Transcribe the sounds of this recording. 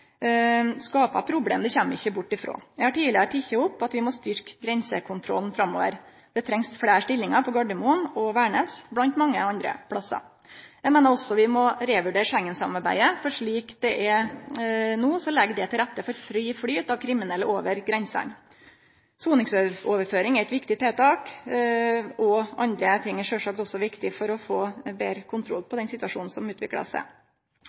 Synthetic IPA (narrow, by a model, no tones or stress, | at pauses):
skɑːpɑ̰pʰɾʊblḛːmd̪ɛçɛmːɪçːəbʊʈːɪfɾo̰ːjæɪhɑʈʰiːlɪɾəʈ̪ʰɪçːəʊpːɑt̪ʋɪmɔst̪ʏɾkɡɾɛnsəkʰʊnt̪ʰɾɔ̰lnfɾɑmːo̰ːʋə̰ɾ | d̪̥ɛt̪ʰɾɛŋsfɽeːʂʈɪlːɪŋɑpʰɔɡɑɖəmuːnɔʋæːɳəsblɑnt̪mɑŋːəɑnd̪ɾə̰pʰɽɑsːɑ̰ɾ | jæɪmeːnəɾɔsːɔʋɪmɔɾeːʋʉɖeːɾʂɛŋːənsɑmɑɾbæ̰ɪəfɔʂɭiːkd̪ɛʔɛɾ | nuːsɔlɛɡd̪ɛt̪ɪlɾæt̪ːəfɔɾfɾyːfɽyːt̪ɑʋkʰɾɪmɪnɛlːəʔoːʋəɾɡɾɛnsə̰n | suːnɪŋsøoːʋəɾføːɾɪŋæɾɛt̪ʋɪkt̪ɪt̪ʰeːt̪ɑːk | ɔʔɑnd̪ɾət̪ʰɪŋːæʂøːʂɑːk̚t̪ɔsːɔʋɪkt̪ɪfɔɾɔfoːbeːɾəkʰʊnt̪ʰɾɔ̰lːpʰɔd̪ɛnsɪt̪ʉɑʂuːn̩sɔmʉːt̪ʰʋɪkɭə̰sæ̰